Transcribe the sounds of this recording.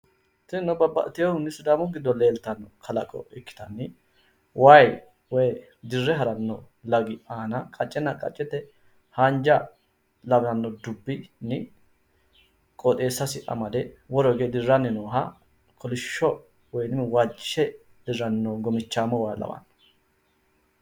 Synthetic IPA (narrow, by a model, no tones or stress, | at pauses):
t̪ɪnɔbɐbɐ̰t̪ːɪjɔhʊnːɪsʊd̪aːmɔɡɪd̪ːɔleːlt̪ɐnːɔkʰɐlɐkʼɔ̰ɪkːɪ̥t̪ɐnːɪ | waj | wɔj | d̪ɪrːɛɦɐɾɐnːɔ | lɐɡɪaːnɐkʼɐt͡ʃʼːɛnːɐkʼɐ̰t͡ʃʼːɛt̪ːɛ | hand͡ʒɐ | lɐbɐnːɔd̪ʊbːɪnɪ | kʼɔt̪ʼe̞ːsːɐsɪʔɐ̰mɐd̪ɛwɔɾɔɡeːd̪ɪrːɐnːɪnoːɦɐ̰ | kʰɔlɪʃːɔ | wɔjnɪwaːd͡ʒɪʃɛ | d̪̥ɪrːɐnːɔɡɔmɪt͡ʃːaːmɔwaːlɐ̰bɐ̰nːɔ̥